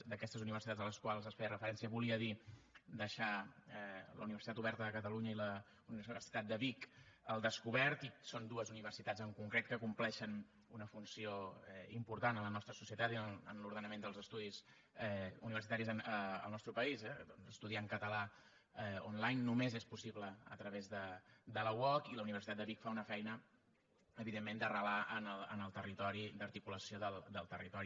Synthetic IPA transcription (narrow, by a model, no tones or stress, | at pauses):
d̪əkɛst̪əzuniβ̞ərsit̪ad͡zzələskwalˠzəsfeərəfəɾɛnsiəβuliəðid̪əʃaɛlə̰uniβərsit̪at̪uβɛɾt̪əðəkət̪əluɲəilə | uniββərsit̪at̪̚d̪əβikəlˠd̪əskuβɛɾt̪isond̪uəzuniβərsit̪ad͡zəŋkuŋkɾet̪̚kəkumplɛʃən | unəfunsioɛimpuɾt̪anələnɔst̪ɾəsusiət̪at̪ilə̰nluɾðənəmend̪əlˠzəst̪uðiz | ɛṵniβəɾsit̪aɾizənə̰lˠnɔst̪ɾupəizɛnəst̪uðiaŋkət̪əla | ɔnlajnːumezespusiβləə̰t̪ɾəβezðəd̪ələwɔkiləuniβ̞ərsit̪at̪dəβikfaunəfɛjnə | əβiðemːend̪ərəlaʔənəlˠənəlˠt̪ərit̪ɔɾid̪əɾt̪ikuləsioðəlˠd̪əlˠt̪ərit̪ɔɾi